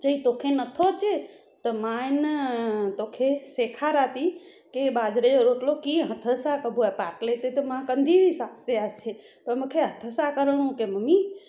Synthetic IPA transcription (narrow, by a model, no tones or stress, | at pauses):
t͡ʃəit̪okʰenət̪ʰot͡ʃe | t̪əman | t̪okʰesekʰaɾat̪i | kebad͡ʒɾeɾoʈlokiɦət̪ʰəsakəbʱuɛpaklet̪et̪əmãkənd̪ʱibʱisast̪easʰe | pəɾməkʰeɦət̪ʰəsakəɾəɽ̃ũkeməmi